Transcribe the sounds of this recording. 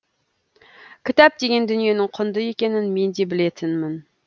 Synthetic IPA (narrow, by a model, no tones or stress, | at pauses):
kʲʰɪt̪æp̚d̪eɡʲend̪ynjenɪŋqʰʊnd̪ɨjekʲenɪnmend̪ebɪlet̪ʰɪnmɪn